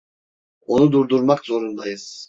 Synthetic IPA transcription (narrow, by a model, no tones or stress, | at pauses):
onud̪uɾd̪uɾmakzo̞ɾund̪ajɯz̥